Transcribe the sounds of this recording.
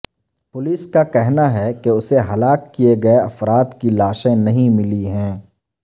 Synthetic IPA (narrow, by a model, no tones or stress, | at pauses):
pʊlɪskakɛɦnaɦɛkeʊseɦɐlaːkːieɡɐeɐfɾaːd̪kilaːʃẽnɐɦĩmɪliɦɛ̃ː